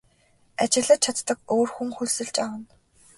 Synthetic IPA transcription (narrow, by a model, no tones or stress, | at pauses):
at͡ɕɪ̆ɣɮə̆t͡ɕʰat̪ːə̆koːrxuŋxuɮsɘ̆ɮt͡ɕawə̆n